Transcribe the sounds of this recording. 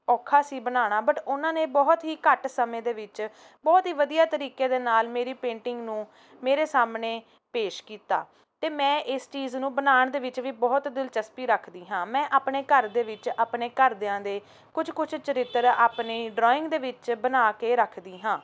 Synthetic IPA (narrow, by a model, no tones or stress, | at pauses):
ɔːkʰaːsiːbənaːɽ̃aːbəʈʊnãːnẽːbɔːt̪ɦiːkəʈsəmẽːd̪eːʋɪt͡ʃ | bɔːt̪ɦiːʋəd̪ijaːt̪əɾiːkeːd̪eːnaːlmeːɾiːpẽːɳʈɪŋɡnũː | meːɾeːsaːmneː | peːʃkiːt̪a̰ː | t̪eːmɛ̃ːʔɪst͡ʃiːznũːbənaːɳd̪eːʋɪt͡ʃʋiːbɔːt̪d̪ɪlt͡ʃəspiːɾəkʰd̪iːɦãːmɛ̃ːʔaːpneːkəɾd̪eːʋɪt͡ʃaːpɳeːkəɾd̪eãːd̪eː | kʊd͡ʒkʊt͡ʃʰt͡ʃəɾɪt̪ɾaːpneːɖɾɔːɪ̃ŋɡd̪eːʋɪt͡ʃbənaːkeːɾəkʰd̪iːɦãː